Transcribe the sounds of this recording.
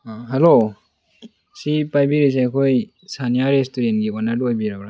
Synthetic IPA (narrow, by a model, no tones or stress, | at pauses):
aɦalo | sipajbiɾis̬eakʰoj | sanijaɾestuɾenɡiwanadojbiɾabɾa